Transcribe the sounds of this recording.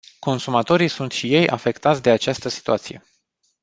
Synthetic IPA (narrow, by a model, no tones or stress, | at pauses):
ko̞nsumat̪o̞ɾisunt̪ʃije̞jʔa̰fe̞kt̪at̪sʲd̪e̞at͡ʃast̪əsi̥t̪uat̪sije̞